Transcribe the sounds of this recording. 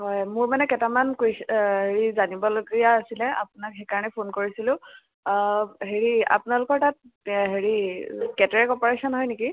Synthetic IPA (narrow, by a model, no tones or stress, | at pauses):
hɔjmʊɹmanɛkɛtamankojɦeɹizanibɔloɡijaːsilɛa̰pʊnakɦejkaɹɔnɛpʰonkoɹisilʊ̃ | ɦeɹia̰pʊnalʊkɔɹtat̚ɦeɹikɛtɹɛkɔpɔɹesɔnɦɔjniki